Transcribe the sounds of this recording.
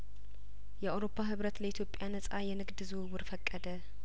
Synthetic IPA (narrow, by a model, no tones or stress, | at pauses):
jɛawɾo̞pʰːaɦɨβɾət̪ləit̪ʰjo̞pʼjanəsʼajɛnɨɡd̪ɨzuwwʊɾfəkʼːəd̪ə